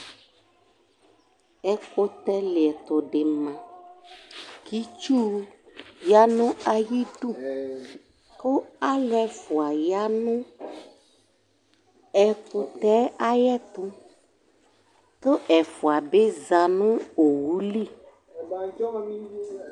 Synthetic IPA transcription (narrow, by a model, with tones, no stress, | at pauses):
ɛ˦ko˦t̪ɛ˦le˨ɛ˨t̪ɔ˨ɖe˨mã˨ | ki˦t͡ʃu˦ja˦nũ˦a˨ji˦ɖu˦˨ | ko˦a˦lɛ˦fu˨a˨ja˦nũ˦ | ɛ˨ku˨t̪ɛ˦a˦jɛ˦t̪ũ˦ | t̪o˦ʔɛ˨fu˨a˨be˦za˨nũ˦o˨wu˦li˦˨˦